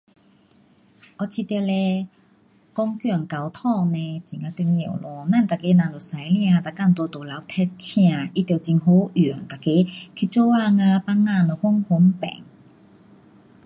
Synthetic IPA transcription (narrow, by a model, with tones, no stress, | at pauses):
ʔɔ˧t͡ɕʰi˧t̪le˧ | kɔ˦˥ŋkjɔ˧˩˨ŋka˨wt̪ʰɔ˥˧˨ŋnẽ˧t͡ɕi˨ŋã˧t̪i˧ŋḛ˨˩˨wlɔ˧nã˥˨nt̪a˨ke˧˦nã˨lu˨˩sa˨˦jlj̃ã˧˨t̪a˨kːa˥˨nt̪wɔ˧t̪o˨˩la˨˦wt̪ʰɛ˧˥t̚t͡ɕʰj̃ã˧˨ʔi˧t̪t͡ɕi˧ŋɦo˧˦ʔŋt̪a˨˩ke˧˦kʰi˧t͡so˥˧˦wa˥˧ŋã˧pa˦˥ŋːa˧nɔ˨˩hu˧˦ŋhu˧˦mpɛ̰˨˦ŋ